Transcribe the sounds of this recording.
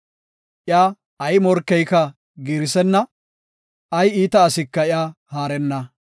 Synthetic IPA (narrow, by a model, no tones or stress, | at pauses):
ʔɪjaː | ɐjmɔɾkːɛjkɐ | ɡiːɾɪsɛnːɐ | ɐjiːt̪ɐːsɪkːɐɪjaːhaːɾɛnːɐ